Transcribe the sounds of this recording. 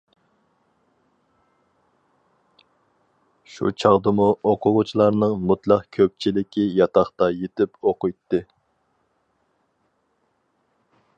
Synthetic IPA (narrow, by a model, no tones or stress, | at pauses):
ʃṵt͡ʃʰɑʁd̪ɨmuoqʰʊʁʊt͡ʃʰilˠɑɾnɨŋmut̪lˠɑqkʲʰøp̚t͡ʃʰilɪkʲijɑt̪ʰɑχt̪ɑjet̪ɪpoqʊjt̪ːɨ